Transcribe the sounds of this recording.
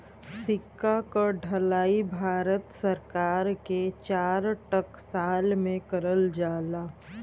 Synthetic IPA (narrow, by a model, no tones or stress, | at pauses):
sɪkːakaɖʱɐlaːibʱaːɾət̪səɾkaːɾket͡ʃaːɾʈəksaːlmẽkəɾəld͡ʒaːlaː